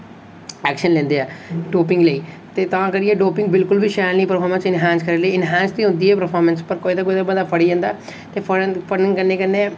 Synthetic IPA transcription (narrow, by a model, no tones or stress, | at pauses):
ɛːkʃənlẽːnd̪eːɛːɖoːpɪ̃ŋɡleiː | t̪eːt̪ãːkəɾiẽːɖoːpɪ̃ŋɡbɪlkʊlbʱiːʃɛːniːpəɾpʰɔːɾmə̃nsɪnɦɛ̃ːnskəɾeːləiːɪnɦɛ̃ːnsd̪ĩːɦʊ̃nd̪iːɦɛːpəɾpʰɔːɾmənspəɾkoːid̪aːkoːid̪aːbəd̪aːpʰəɽiãːnd̪aːɛ | t̪eːpʰəpʰənɪ̃ŋɡkəɾnːeːkəneː